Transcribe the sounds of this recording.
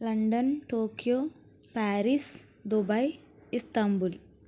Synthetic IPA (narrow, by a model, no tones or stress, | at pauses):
lɐɳɖɐnʈoːkijo | paːɾis | d̪obɐj | ist̪ambul